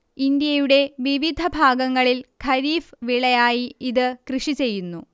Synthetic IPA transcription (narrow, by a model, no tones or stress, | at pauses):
ind̪jɐjuɽe̞ʋiʋid̪ʱɐbʱaːɡɐŋːɐɭilkʰɐɾiːfʋiɭɐjaːjiiðɨkrɨʂit͡ɕe̞jːunːu